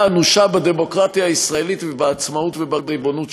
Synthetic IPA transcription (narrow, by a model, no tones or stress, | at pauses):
anuʃabad̪e̞mo̞kʁat̪jaːisʁae̞lit̪vebaːt͡smaut̪vebabʁibo̞nut̪